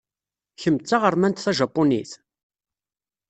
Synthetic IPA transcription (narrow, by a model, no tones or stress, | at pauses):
çəmt͡sːaʁəɾmænt̪θæʒəpːoniθ